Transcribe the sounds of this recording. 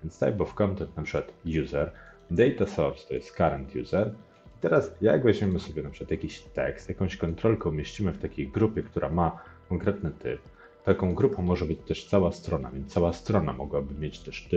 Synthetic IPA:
vʲjɛnt̪st̪a̰jbɔfkɔnt̪ɛnt̪̚napʂɘkwat̪juzɛɾ | d̪ɛjt̪asɔɾst̪ɔjɛ̰st̪kaɾɛnt̪ʰjṵzɛɾ | it̪ɛɾasja̰ɡvaʑmʲɛmɘsɔbʲjɛnapʂɨkwat̪jakʲiɕt̪ɛ̰kst̪jakɔ̃w̃ɕkɔnt̪ɾɔlkɛumʲjeɕt͡ɕimɘft̪akʲejɡɾupʲjɛkt̪uɾʔamakɔŋkɾɛt̪nɘt̪ɘ̰p̚ | t̪akɔ̃w̃ɡɾupɔ̃mɔʐɛbɘt͡ɕt̪ɛʂt̪sawast̪ɾɔna̰vʲjɛnsawast̪ɾɔna̰mɔɡwabɘmʲjet͡ɕt̪ɛʂt̪ɘ

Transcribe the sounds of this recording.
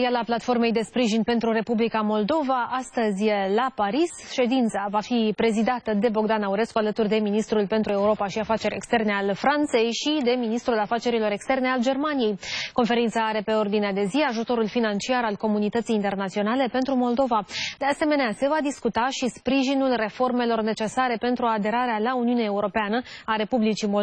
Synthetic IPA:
ijalaplat̪fo̞rme̞jd̪e̞spɾiʒinpe̞nt̪ɾuɾe̞publikamo̞ld̪o̞vaʔast̪əzʲjlapaɾis | ʃe̞d̪int̪savafipɾe̞zid̪at̪əd̪e̞bo̞ɡd̪anauɾe̞skualət̪urd̪e̞minist̪ɾulpe̞nt̪ɾue̞uɾo̞paʃiafat͡ʃe̞ɾʲe̞̰kst̪e̞rne̞alfɾant̪se̞jʃid̪e̞minist̪ɾulafat͡ʃe̞ɾilo̞ɾe̞kst̪e̞rne̞ald͡ʒe̞rmanije̞jko̞nfe̞ɾint̪saaɾe̞pe̞o̞rd̪inead̪e̞ziaʒut̪o̞ɾulfinant͡ʃiaɾalko̞munit̪ət̪sijːnt̪e̞rnat̪sio̞nale̞pe̞nt̪ɾumo̞ld̪o̞vad̪̥e̞ase̞me̞nease̞vad̪iskut̪aʃispɾiʒinulre̞fo̞rme̞lo̞rne̞t͡ʃe̞saɾe̞pe̞nt̪ɾuad̪e̞ɾaɾealauniuneaeuɾo̞peanəaɾe̞publit͡ʃimo

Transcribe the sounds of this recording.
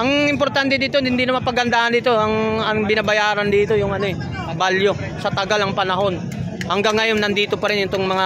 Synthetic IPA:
ʔɐŋɪmpo̞ɾt̪ant̪ɛd̪iːt̪onhɪnd̪inɐmanpɐɡɐnd̪aːʔɐnd̪iːt̪oɐŋɐŋbɪnabɐjaːɾɐnd̪iːt̪o̞jʊŋɐno̞ɛ | baljo̞ | sɐt̪ɐɡalɐŋpɐnɐɦo̞n | hɐŋɡaŋːɐjo̞nːɐnd̪iːt̪o̞pɐɾɛnʊnt̪oŋmɐŋa

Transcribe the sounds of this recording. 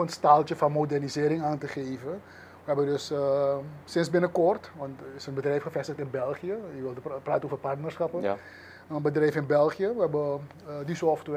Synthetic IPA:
ənstaːlˠtəfɑnmodɛrnizɪːɾɪŋaːntəχejvə | ʋəɦɛbədɵs | sɪnsbɪnəkɔrtʋɑntɪsənbədrɛjfχəfɛstəχtɪnbɛlˠχiəjəʋɪlˠəpraːtənoːvərpartnərsχɑpə | ənbədrɛjfɪnbɛlˠχijəʋəɛbə | disɔftʋɛ

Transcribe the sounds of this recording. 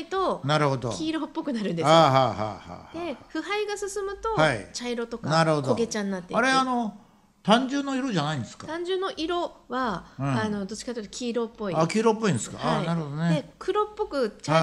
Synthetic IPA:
it̪o̞naɾɯ̟ho̞d̪okʰʲiːɾopːo̞kɯ̟naɾɯ̟̃nd̪eaɦaːɦa̰ːha̰hd̪e̞ɸɯ̟haiɡasɨsɨmɯ̟t̪o̞aḭt͡ɕaiɾo̞t̪o̞kanaɾɯ̟hod̪oɡe̞t͡ɕãnːat̪ːeaɾe̞ano̞ | t̪ãɲ̟d͡ʑɨ̃nːoiɾo̞ʑanaĩnd̪e̞sɨ̥kat̪ãɲ̟d͡ʑɨnːo̞ʔiɾo̞βãano̞d̪o̞t͡ɕikat̪ːeit̪okʲʰiːɾo̞pːo̞iakʲiːɾopːo̞ĩnd̪esɨ̥ka̰ainaɾɯ̟ho̞d̪oneekʰɯ̟ɾo̞pːo̞kɯ̟t͡ɕaa

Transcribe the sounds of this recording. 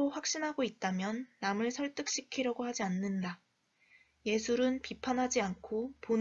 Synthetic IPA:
oɸwak̚ɕ͈inɦaɡoit̚t͈amjʌnːamɯɭsʰʌɭt͈ɯk̚ɕ͈ikʰiɾjʌɡohad͡ʑianːɯnda | je̞sʰuɾɯnpipʰanɦad͡ʑiankʰopon

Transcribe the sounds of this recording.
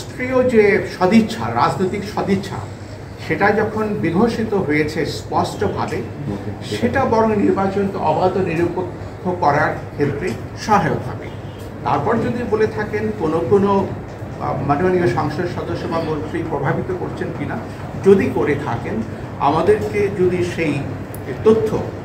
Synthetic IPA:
st̪ɾiod͡ʑeʃɔd̪ʱitːɕʰa̰ɾad͡ʑnojt̪ikʃɔd̪ʱitːɕʰa̰ | ʃeʈad͡ʑɔkʰonbiɡʱoʃit̪oɦoet͡ɕʰespɔɾsʈobʱa̰beʃeʈabɔɾoŋniɾbat͡ɕonk̪eʔɔbad̪oniɾopokʰːokɔɾaɾkʰet̪ːɾe | ʃaɦaeot̪ʰa̰kḛ | t̪a̰ɾpɔɾd͡ʑod̪ibolet̪ʰakenkonopɾono | manuanioʃaŋʃod̪ʃɔd̪oʃːobʱamont̪ɾipɾobʱabʱit̪okoɾt͡ɕʰenkina | d͡ʑod̪ikoɾet̪ʰa̰ken | a̰mad̪eɾked͡ʑod̪iʃej | t̪ot̪ʰːo̰

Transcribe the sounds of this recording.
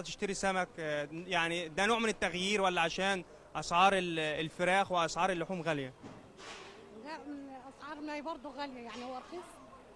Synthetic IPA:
ɑt̪ɪ̥ʃt̪aɾisæmækjaʕnid̪ænoːʕmɪnɪt̪ːaɣjiːɾwælːaʕaʃæːn | ʔɑsʕɑːɾˤɪllfɪɾæːxwɪʔɑsʕɑːɾˤɪlːʊħuːmɣælja | d̪æʔɑsʕɑːɾˤmːbɑɾˤd̪ˤʊɣæljajaʕnihʊwʔɑɾˤɑxiːsˤ

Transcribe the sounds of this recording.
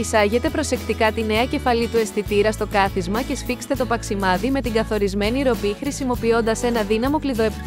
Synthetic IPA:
isɐʝe̞t̪e̞pɾo̞se̞kt̪ikɐt̪ine̞ɐce̞fɐlit̪ue̞st̪it̪iɾɐst̪o̞kɐθizmɐce̞sfikse̥t̪e̞t̪opɐksimɐðime̞t̪iŋɡɐθo̞ɾizme̞niɾo̞pixɾisimo̞pio̞nd̪ɐse̞nɐðinɐmo̞kliðo̞ep

